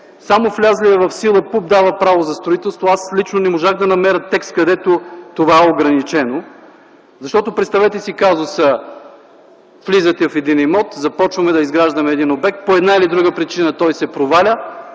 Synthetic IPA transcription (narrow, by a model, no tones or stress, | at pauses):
samoflʲazliɛvɐfsilˠəpup̚d̪avəpɾavozɐst̪ɾoit̪ɛlˠst̪voaslʲit͡ʃnonɛmoʒaxd̪ɐnɐmɛɾət̪ːɛkst̪̚kɐd̪ɛt̪ot̪ovaɛoɡɾɐnit͡ʃɛno | zɐʃt̪ɔt̪opɾɛt̪st̪ɐvɛt̪ɛsikazosə | flizət̪ɛvɐfɛd̪inijmɔt̪zɐpɔt͡ʃvɐmɛd̪ɐizɡɾaʒd̪ɐmɛːd̪inobɛk̚t̪̚poɛd̪nailid̪ɾuɡəpɾit͡ʃinət̪ɔjsɛpɾovalʲə